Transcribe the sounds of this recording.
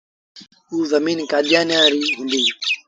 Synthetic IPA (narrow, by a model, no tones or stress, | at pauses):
uːzəmiːnkaːɗ̪ʱɪjãːnjaːɾiːɦʊ̃nd̪iː